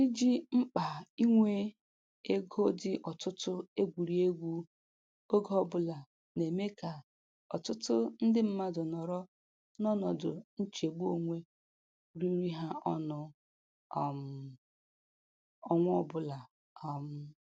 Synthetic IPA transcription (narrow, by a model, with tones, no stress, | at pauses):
i˦d͡ʒi˦ŋ͡m̩˦k͡pa˨i˦ŋʷe˦ | e˦ɡo˦dɪ˦ʔɔ˨tʊ˦tʊ˦e˦ɡʷu˨ɾi˨e˦ɡʷu˦ | o˦ɡɔ˦ɔ˨bʊ˦la˨ | ne˨me˦ka˨ | ɔ˨tʊ˦tʊ˦n̩˦dɪ˦m̩˦ma˦dʊ˨nɔ˨ɾɔ˦ | nɔ˦nɔ˨dʊ˨n̩˦t͡ʃe˨ɡ͡bu˦o˨ŋʷe˦ | ɾi˦ɾi˦ɦa˦ɔ˦nʊ˨ | m˨ | ɔ˦ŋʷ˦ɔ˦˨bʊ˨la˨ | ɔ˨m̩˨˦˨